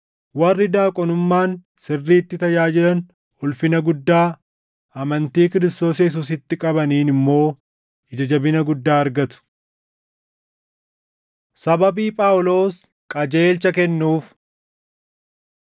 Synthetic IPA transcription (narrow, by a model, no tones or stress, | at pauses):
wɐrːɪd̪aːkʼɔnʊmːaːn | sɪrːiːt̪ːɪt̪ɐjaːd͡ʒɪɾɐn | ʊlfɪnɐɡʊd̪ːaː | ɐmɐnt̪iːkɪɾɪst̪o̞ːsɐjɛs̬uːs̬ɪt̪ːɪkʼɐbɐniːnɪmːo̞ː | ɪd͡ʒɐd͡ʒɐbɪnɐɡʊd̪ːaːɐɾɡɐt̪ʊ̥ | sɐbɐbiːpʼaːʔʊlo̞ːs | kʼɐd͡ʒe̞ːlt͡ʃɐkɛnːuːf